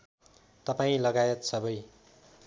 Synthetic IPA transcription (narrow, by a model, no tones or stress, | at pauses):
t̪ʌpaĩlʌɡajʌt̪sʌbʌj